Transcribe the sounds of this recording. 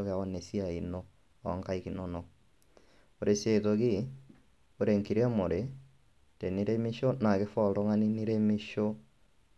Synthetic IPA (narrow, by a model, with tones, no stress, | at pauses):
ɔ˦ɣa˨ɔ˦ne˨si˦a˨i˨no˦ | ɔ̰˨ŋka˦i˦ki˨no˦nɔ˨ | o˨ɾe˨se˨to˨ɣi˦ | o˨ɾe˨ŋki˨ɾɛ˦mo˨ɾe˨˦ | te˨ni˦ɾe˦mi˦ʃo˦na˨ke˦fɔ˦˨ɾo˦ŋa˦ni˦ni˦ɾe˦me˦ʃo˦